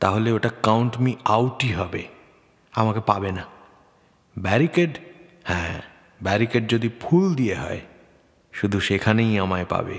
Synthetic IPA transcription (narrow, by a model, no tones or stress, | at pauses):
t̪aɦoleoʈakawɳʈmiawʈiɦɔbe | amakepabena | bɛɾikeɖ | hɛ̃ː | bɛɾikeɖ̚d͡ʑod̪ʱipʰuld̪ijeɦɔ̰e | ʃud̪ʱuʃekʰanejamaepa̰bḛ